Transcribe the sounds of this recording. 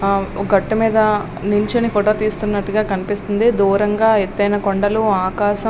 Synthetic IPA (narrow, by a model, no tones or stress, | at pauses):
oɡɐʈːɐmiːd̪ɐ | niɲt͡ʃɐnipʰoʈo̞ːt̪iːst̪unːɐʈːuɡaːkɐnipist̪und̪id̪uːɾɐŋɡaːet̪ːɐjnɐkoɳɖɐluaːkaːʃɐ